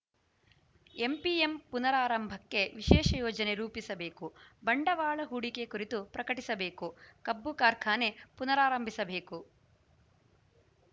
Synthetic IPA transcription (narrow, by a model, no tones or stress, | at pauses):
e̞mpiempunɐɾaːɾɐmbʱɐkːe̞ʋiʃɛːʃɐjɔːd͡ʒɐne̞ɾuːpisɐbe̞ːkubɐɳɖɐʋaːɭɐɦuɽike̞kuɾit̪upɾɐkɐʈisɐbe̞ːkukɐbːukaːɾkʰaːne̞punɐɾaːɾɐmbʱisɐbe̞ːku